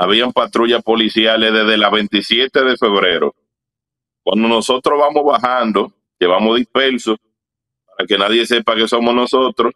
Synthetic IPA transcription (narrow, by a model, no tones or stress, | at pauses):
aβ̞iampat̪ɾuʝaspo̞lisjale̞ðe̞ðelaβe̞nt̪isje̞t̪e̞ðe̞fe̞βɾe̞ɾo̰ | kwand̪o̞no̞so̞t̪ɾoɦβamozβaɦand̪o̞ | ʝe̞βamoðispe̞lsos | paɾake̞naðje̞se̞pake̞so̞mosnoso̞t̪ɾo